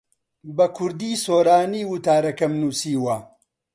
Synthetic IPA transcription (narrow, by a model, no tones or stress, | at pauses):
bɐkʰʊɾd̪iːsoːɾaːniːwut̪aːɾɐkɐmnuːsiːwɐ